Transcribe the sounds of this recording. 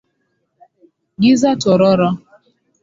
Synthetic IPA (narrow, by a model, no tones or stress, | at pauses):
ɡizatɔɾɔɾɔ